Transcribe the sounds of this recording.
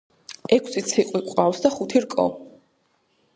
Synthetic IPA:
ɛkʰsit̪sʰiqʼwikʼwawsd̪aχut̪ʰiɾkʼɔ̰

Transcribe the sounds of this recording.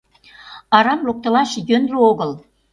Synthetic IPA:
ɑɾɑmlok̚t̪ə̆lɑʃjønrooɣəl

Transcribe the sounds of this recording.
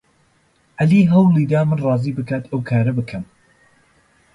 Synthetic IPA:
ʔɐliːɦɐwlˠiːd̪aːmɨnrˤɑːziːbɨkʰaːt̪ʰɐwkʰaːɾɐbɨkʰɐm

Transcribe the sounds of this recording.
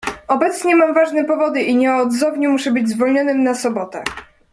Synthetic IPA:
ɔbɛt̪sɲɛmamvaʐnɛpɔvɔd̪ɘʔiɲɛɔd̪zɔvɲɛmuʂɛbɘd͡ʑzvɔlɲɔnɘmnasɔbɔt̪ɛ

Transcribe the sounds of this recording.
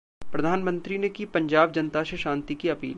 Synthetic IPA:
pɾɐd̪ʱaːnmə̃nt̪ɾinekipɐ̃ɲd͡ʒaːb̚d͡ʒɐnt̪aʃeʃãːnt̪ikiɐpḭːl

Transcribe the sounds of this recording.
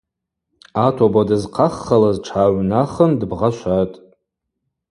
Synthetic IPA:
atʰobadɨzqʰaχːalazʈ͡ʂʰaːɥnaχəndbʁaʃʷatʼ

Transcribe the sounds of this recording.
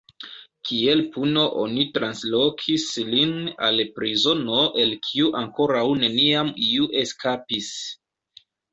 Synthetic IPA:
kie̞lpuno̞ʔo̞̰nitɾanslo̞kʰislina̰lpɾizo̞no̞ʔe̞lkʰiuʔaŋko̞ɾawne̞niamiuʔe̞skapis

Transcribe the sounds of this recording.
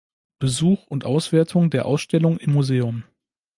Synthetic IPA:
b̥əzuːχʊntʔaʊsv̥eːɐtʰʊŋdeːɐʔaʊsʃtɛlʊŋɪmːuzeːʊm

